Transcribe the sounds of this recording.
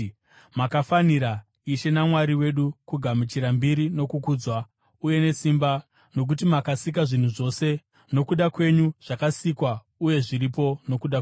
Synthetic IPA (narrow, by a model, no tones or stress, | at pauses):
makafaniɾa | iʃe̞namwaɾiwe̞ɗukuɡʱamut͡ʃiɾambiɾino̞kukuːd͡zwa | uje̞ne̞simba | no̞k̬utimakasik̬aʐin̤uʐo̞se̞ | no̞kuɗakwe̞ɲuʐ̥akasikwa | uje̞ʐiɾipo̞no̞kuɗa